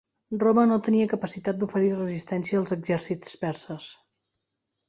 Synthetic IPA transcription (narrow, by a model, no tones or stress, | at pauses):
rromənot̪əniəkəpəsit̪at̪̚d̪ufəɾirəzist̪ɛnsiəːlˠzəɡzɛɾsit͡spɛɾsəs